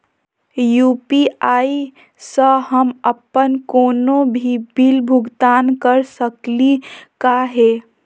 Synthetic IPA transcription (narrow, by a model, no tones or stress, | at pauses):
juːpiai | səɦəməpənkoːnobʱibilbʱʊɡt̪aːnkəɾsəklikaɦe